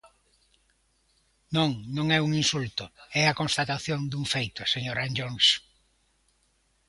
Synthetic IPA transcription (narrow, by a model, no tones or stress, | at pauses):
nõŋnõŋɛuŋinsult̪ʊɛakõnst̪at̪aθjond̪uŋfejt̪ʊseɲoɾand͡ʒoŋs